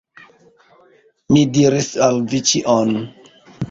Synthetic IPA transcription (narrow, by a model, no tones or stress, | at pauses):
nidiɾisalvit͡ʃiʔon